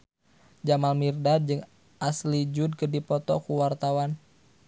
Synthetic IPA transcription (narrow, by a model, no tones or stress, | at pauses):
d͡ʒamalmirdad̚d͡ʒɨŋ | ʔaslid͡ʒʊd̚kədipɔt̪ɔkuwart̪awan